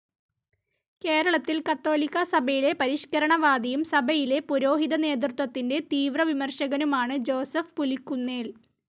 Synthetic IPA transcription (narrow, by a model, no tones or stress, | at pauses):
ke̞ːɾɐɭɐt̪ːilkɐt̪ːo̞ːlikːɐsɐbʱɐjile̞pɐɾiʂkɐɾɐɳɐʋaːd̪ɐjumsɐbʱɐjile̞puɾo̞ːɦiðɐne̞ːd̪rut̪wɐt̪ːinde̞t̪iːʋrɐʋimɐrɕɐɣɐnumaːɳɨd͡ʑo̞ːsɐfpulikːunːeːl